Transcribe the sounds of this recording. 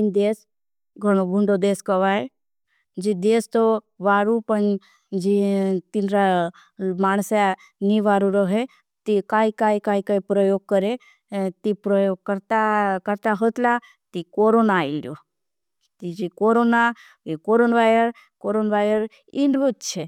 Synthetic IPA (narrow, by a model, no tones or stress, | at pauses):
ind̪eːs | ɡʱəɽ̃obʱuɳɖod̪eːskəʋae | d͡ʒid̪est̪o | ʋaːɾupən | d͡ʒit̪inɾa | maːñsa | niʋaɾuɾəɦe | t̪ikaːikaːikaːikaːipɾəjoːɡ̚kəɾe | t̪ipɾəjoːɡ̚kəɾt̪akəɾt̪aɦət̪la | t̪ikoɾonailjo | t̪id͡ʒikoɾona | ikoɾonʋajɾəɾ | koɾonʋaːɾəɾ | ɪɳɖʋut̪t͡ʃʰe